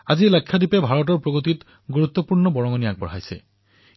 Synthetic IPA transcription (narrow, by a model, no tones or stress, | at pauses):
azilakʰːjadipɛbʱaɹɔt̬ɔɹpɹoɡot̬it | ɡuɹut̪ːɔpuɹnɔbɔɹɔŋɔnijak̚bɔ̰ɹɦajsɛ̰